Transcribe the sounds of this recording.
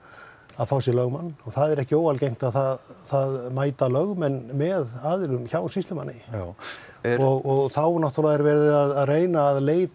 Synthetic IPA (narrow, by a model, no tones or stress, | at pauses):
aðfaːwsjɛlœɣmanːɔɣθaðɛɾɛhcɪoːwalcejm̥t̪aðθaðθaðmaːjt̪alœɣmɛnːmɛðaːðɪlʏmçawsist̪lʏma̰nːɪ | ɔɣɔɣθawnaht̪ɔlaɣɛɾvɛɾðɪaðaðreːjnaːðleːjt̪